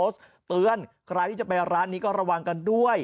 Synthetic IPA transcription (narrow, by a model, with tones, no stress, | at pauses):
oː˦˥s | t̪ɯː˧ənkʰɾa˧j̪ʰiː˥˩t͡ɕa˨˩pa˧jɾaː˦˥nːiː˦˥kɔː˥˩ɾa˧wa˧ŋka˧ndu˥˩əj